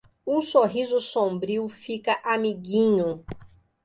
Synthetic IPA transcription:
ũsoɦizʊsõbɾiwfikɐʔamiɡĩɲʊ

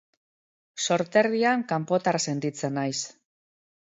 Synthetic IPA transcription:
so̞ɾt̪e̞ɾðiaŋkampo̞t̪arse̞nt̪it͡se̞nːajs

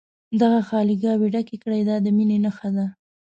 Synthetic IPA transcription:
d̪aɣaxɑliɡɑweɖakekəɽajd̪ɑd̪əminenaxad̪a

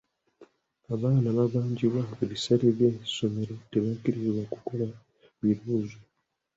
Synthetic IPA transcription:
aβaːnaβaβaːɲɟiβwaeβisaleβjeso̞me̞ɾo̞te̞βakiɾizwakuko̞la | miɾuːzo

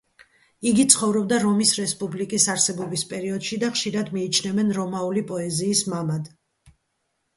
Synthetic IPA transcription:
iɡit̪sʰχɔvɾɔbd̪aɾɔmisɾɛspʼublikʼisaɾsɛbɔbispʼɛɾiɔd̪̥ʃid̪aχʃiɾad̪miːt͡ʃʰnɛvɛnɾɔmaulipʼɔɛziːsmamad̪

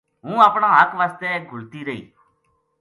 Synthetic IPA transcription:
ɦũːaːpɳãːɦəkʋaːst̪ɛːɡʱʊlt̪iːɾəɦḭː

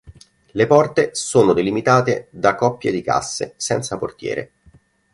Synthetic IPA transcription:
lepɔrt̪esoːnod̪elimit̪aːt̪ed̪akːɔpːjḛd̪ika̰sːḛsɛnt̪saport̪jɛ̰ːɾḛ

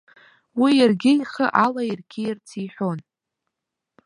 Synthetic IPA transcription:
wijarɡʲɪiχəʔalajirɡʲʰɪjart͡sʰiħʷon

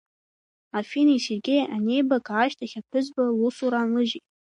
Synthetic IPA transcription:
afiniserɡʲejanʲejbakʰʼaːʃtʰaχʲapʷʰʊzbalusuɾanlɨʒit

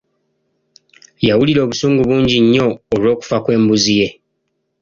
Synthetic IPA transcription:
jawuliɾo̞ːβusuːŋɡuβuːɲɟiɲːo̞ːlwo̞ːku̥fakwe̞ːmbuzije̞

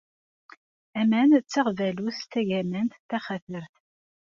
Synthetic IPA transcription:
æmænt͡sːəʁvæluθθæʝæmænt̪θæχæθəɾθ

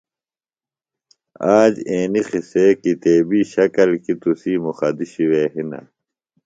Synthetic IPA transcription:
aːd͡ʑeːnixisekit̪eːbiːɕɐkɐlkit̪usiːmuxɐd̪iɕiweːɦinɐ̰

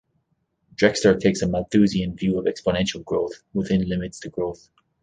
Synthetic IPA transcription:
d̥ɹɛkstə˞tʰeɪksəmaθʉziə̃nvjʉːəvɛkspənɛ̃nʃəlˠɡɹoʊθwɪðɪ̃nlɪ̃mɪtstʰəɡɹoʊθ

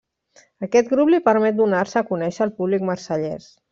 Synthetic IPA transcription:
əkɛt̪ɡɾuplipəɾmɛt̪̚d̪unaɾsəːkunɛʃəːlˠpuβlikməɾsəʎɛ̰s

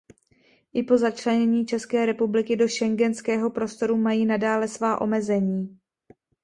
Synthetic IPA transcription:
ʔɪpo̞zat͡ʃlɛɲɛɲiːt͡ʃɛskɛːɾɛpublɪkɪdo̞ʃɛŋɡɛnskɛːɦo̞pɾo̞st̪o̞ɾumajiːnadaːlɛsvaːʔo̞̰mɛzɛɲiː

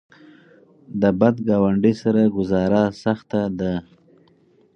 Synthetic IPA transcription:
d̪əbad̪ɡɑwaɳɖəsaɾaɡʊzɑɾasaxt̪ad̪a

